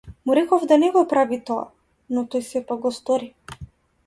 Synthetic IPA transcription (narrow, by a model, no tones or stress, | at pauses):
muɾɛkɔvd̪anɛɡɔpɾavit̪ɔa̰ | nɔt̪ɔjsɛpaɡ̚ɡɔst̪ɔɾi